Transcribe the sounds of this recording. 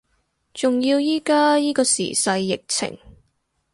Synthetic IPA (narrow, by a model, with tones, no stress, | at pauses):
t͡sʊ˨ŋjiː˧wjiː˥kaː˥jiː˥kɔː˧sḭː˨˩sɐ˧jːɪ˨k̚t͡sʰɪ̰˨˩ŋ